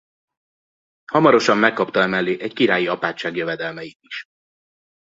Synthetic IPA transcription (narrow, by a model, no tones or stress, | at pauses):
hɒmɒɾo̞ʃɒmːɛkːɒpt̪ɒɛmɛlːeːʔɛckiɾaːjiɒpaːt͡ʃːaːɡjøvɛd̪ɛlmɛjiiʃ